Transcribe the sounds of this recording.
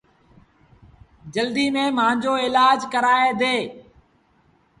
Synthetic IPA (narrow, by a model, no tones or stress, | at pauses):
d͡ʒəld̪iːmẽːməãːɲd͡ʒoːɪlaːd͡ʒkəɾaːeːd̪eː